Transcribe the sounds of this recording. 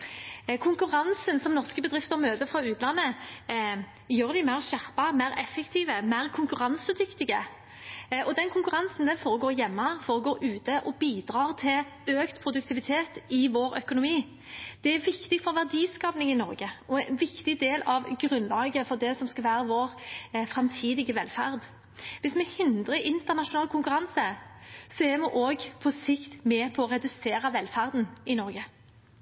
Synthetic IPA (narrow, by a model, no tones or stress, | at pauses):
kʰʊŋkʉʁɑnsənsɔmnɔʁskəbəd̪ɾʁɪft̪əʁmøːt̪əfʁɑʉːt̪lɑnːə | jøːɾd̪ɪmæɪʁɕæʁpɑmæɾɛfːɛkt̪ʰiːʋəmæʁkʰʊŋkʉʁɑnsəd̪ʏkt̪ɪɡə | ʔɔd̪ɛnkʰʊŋkʉʁɑnsn̩d̪ɛnfɔːʁɔɡoːɾjɛmːɑfɔːʁɔɡoːɾʔʉːt̪əʔɔbiːd̪ɾɑːʁt̪ʰɪl | øːkt̪pʰɾʊd̪ʉk̚t̪ʰɪʋɪt̪ʰeːt̪ɪʋoːɾœkʊnʊmiː | d̪̥ɛæʋɪkt̪ɪɡfɔʋæʁd̪iːskɑːpnɪŋɪnɔ̰ɾɡəɔɛnʋɪkt̪ɪd̪eːlɑʋɡɾʉnlɑːɡəfɔʁd̪ɛsɔmskɑlʋæːɾəʋoːʁfɾɑmt̪ʰiːd̪ɪɡəʋɛlfæʁd̪ | ʋɪsmɛhɪnd̪ʁəɪnt̪əʁnɑʂʊnɑːlkʰʊŋkʉɾɑnsəsɔɛʁmɛʔoːɡpʰɔsɪkt̪mɛpʰɔɔʁɛd̪ʉseːɾəʋɛlːfæʁd̪n̩ɪnɔɾɡə